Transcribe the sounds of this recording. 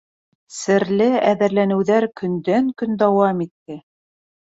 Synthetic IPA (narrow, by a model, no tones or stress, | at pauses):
sɘ̆ɾlɘæðɘ̆ɾlænɘ̆wðæɾkɵ̆nd̪æŋkɵnd̪ɑwɑmit̪ːɘ